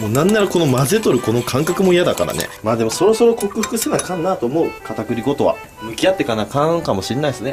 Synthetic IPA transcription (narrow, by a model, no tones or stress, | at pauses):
moːnãnːaɾako̞no̞maze̞t̪o̞ɾɯ̟ko̞no̞kʰãŋkakɯ̟mo̞ijad̪aka̰ɾa̰nḛmaːd̪e̞mo̞so̞ɾo̞soɾo̞ko̞kɯ̟ɸɯ̥kɯ̟senakãnːaːt̪o̞ːmo̞ɯ̟kat̪akɯ̟ɾʲiɡo̞t̪o̞βa̰ | mɯ̟kʲijat̪ːe̞kanakãkamo̞ɕiɾenaisɨne̞